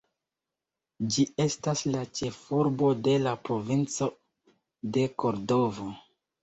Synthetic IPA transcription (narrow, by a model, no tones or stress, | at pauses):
d͡ʒie̞staslat͡ʃe̞fuɾbo̞de̞lapɾo̞vint͡so̞ | de̞ko̞ɾdo̞vo̞